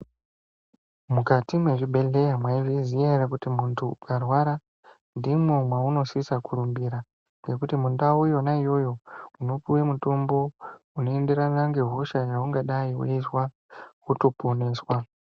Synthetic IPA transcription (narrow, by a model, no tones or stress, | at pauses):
mukatimwe̞ʐibʱe̞le̞jamwaivizierakutimuntʰuːkarwaɾa | ndimwomwauno̞sisakʰurumbiɾa | ŋɡe̞kutimundawujo̞naijo̞jo̞uno̞puwemutombo̞ | uno̞e̞ndeɾanaŋɡe̞ɦuʃaʐauŋɡaɗaiwṵiswa | kuto̞poneːswa